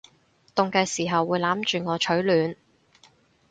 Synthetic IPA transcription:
t̪ʊ˨˧ŋkɐ˨˧jsiː˨˩ɦɐ˨wːuː˨˧jlaː˨˥mt͡ʃyː˨ŋɔː˨˧t͡ʃʰɵ˨˥ɥlyː˨˧n

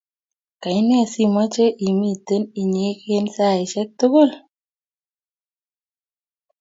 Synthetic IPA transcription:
ka˨ɪ˦nɛ˦˨si˦mɔ˦t͡ʃe˦ʔi˨mi˦˨t̪e˦ni˨ɲe˦ke˦nsa˦˨ɪ˨t͡ʃɛ˦k̚t̪o˦ɡo˦˨l

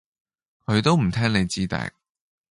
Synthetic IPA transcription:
kʰɵ˨˧t̪o˥wm̩˨˩t̪ʰɛː˥ŋne˨˧jt͡siː˥t̪ɛ̰ː˧˥k̚

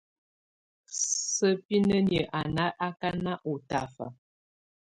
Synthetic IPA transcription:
sə˦pi˦nə˦n˨ə˨ʔa˨na˦ʔa˦ka˦na˦ʔo˨ta˨fa̰˨

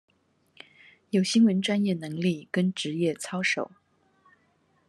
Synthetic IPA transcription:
jo˨˩ʊɕi˥ŋwə˧˥nʈ͡ʂwa˥njɛ˥˩nɤ˧˥ŋli˥˩kə˥nʈ͡ʂɻ̩˧˥jɛ˥˩t͡sʰɑ˥ʊʂo˨˩˦ʊ

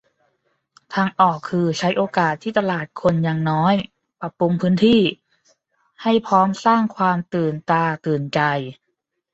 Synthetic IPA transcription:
t̪ʰaː˧ŋʔɔː˨˩kʰːɯː˧t͡ɕʰa˦˥jʔoː˧kaː˨˩t̪ʰːiː˥˩t̪a˧laː˨˩t̪̚kʰo˧njaː˧˩ŋnɔː˦˥j | pɾa˨˧˩pu˧mpʰɯː˦˥nt̪ʰiː˥˩ | ha˥˩jpʰɔː˦˥msaː˥˩ŋkʰwaː˧mt̪ɯː˨˩nt̪aː˧t̪ɯː˨˩nt͡ɕa˧j

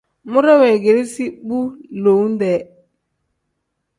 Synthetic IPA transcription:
mu˦ɾɛ˦wɛ˨ɡe˨ɾi˦si˦ɓu˦lo˨˦n˦dɛ˨

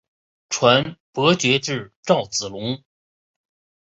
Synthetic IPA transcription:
ʈ͡ʂʰwa˧˥npɤ˧˥t͡ɕɥɛ˧˥ʈ͡ʂɻ̩˥˧ʈ͡ʂɑ˥˩ʊt͡sɹ̩˨˩lʊ˧˥ŋ

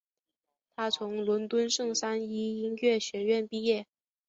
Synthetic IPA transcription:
t̪ʰa˥t͡sʰʊ˧˥ŋlwə˧˥nt̪wə˥nʂɤ˥˩ŋsa˥ni˥i˥njɥɛ˥˩ɕɥɛ˧˥ɥɛ˥˧npi˥˧jɛ˥˩

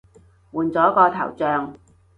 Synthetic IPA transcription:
wuː˨nt͡sɔː˨˥kɔː˧t̪ʰɐ̰˨˩wt͡sœː˧ŋ

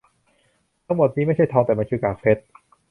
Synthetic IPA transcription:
t̪ʰa˦˥ŋmo˨˩t̪̚niː˦˥ma˥˩jt͡ɕʰa˥˩jt̪ʰɔː˧ŋt̪ɛː˨˩ma˧nkʰɯː˧kaː˨˩k̚fʰe˦˥t̪̚

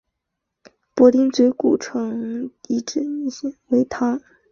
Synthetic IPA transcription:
pwɔ˧˥t̪i˥nt͡swe˧˥ɪku˨˩ʈ͡ʂʰɤ˧˥ŋi˨˩ʈ͡ʂɻ̩˥we˧˥ɪt̪ʰa˥

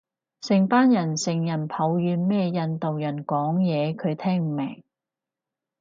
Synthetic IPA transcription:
sɪ˨˩ŋpaː˥njɐ˨˩nsɪ˨˩ŋjɐ˨˩npʰɐ˨˥wjyː˨˧nmɛː˥jɐ˧nt̪o˨wjɐ˨˩nkɔː˨˥ŋjɛː˨˧kʰɵ˨˧ɥt̪ʰɛː˥ŋm̩˨˩mɛː˨˩ŋ

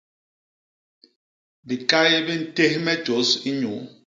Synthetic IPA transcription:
bi˨kʼa˦jɛ˦be˦n̩˦te˦hi˦mɛ̥˦ʒ̥ʱo˨˦si˦ɲu˨˦

